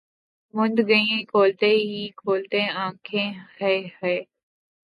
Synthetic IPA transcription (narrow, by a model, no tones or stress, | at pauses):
mʊ̃nd̪ɡəĩkʰoːlt̪eɦikʰoːlt̪ẽãːkʰẽhɛhɛː